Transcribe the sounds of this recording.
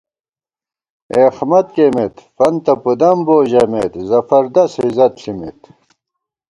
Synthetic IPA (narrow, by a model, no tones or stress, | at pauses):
eːxmɐt̪kemet̪fɐnt̪ɐpud̪ɐmboːʑɐmet̪zɐfɐɾd̪ɐshizɐt̪ɬimḛt̪